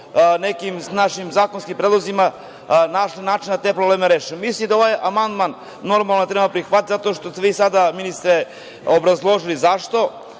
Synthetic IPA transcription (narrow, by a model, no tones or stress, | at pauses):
nekimnaʃimzaːkonskimpɾed̪lozima | naʃlinaːt͡ʃind̪at̪epɾobleːmeɾeːʃimislimd̪aoʋaːjamand̪manː | o̞ɾmalˠnoet̪ɾebapɾixʋat̪t̪zat̪o̞ːʃt̪ost̪eʋisad̪aminist̪ɾe | obɾazlˠo̞ʒilizaʃt̪o̞